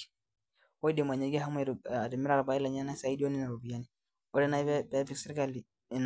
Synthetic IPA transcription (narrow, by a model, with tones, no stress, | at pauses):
wo˦i˦di˨m˨a˨ɲɛ˨˦ɡɛ˦ɦa˦mɛ˨ɾi˨mɛ˦ɾa˨ɾa˨ba˨i˦la˨ɲa˦na˦sa˦i˦di˦o˦ni˦na˨ɾo˨bi˨a˦ni˨ | ɔ˦ɾɛ˦na˦i˦bɛ˦bɛ˦fi˦ksi˦ɾi˦ka˦li˨ | n˨